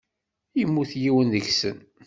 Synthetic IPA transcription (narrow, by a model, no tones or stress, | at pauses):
jimːuθjiwənðəʝsə̰n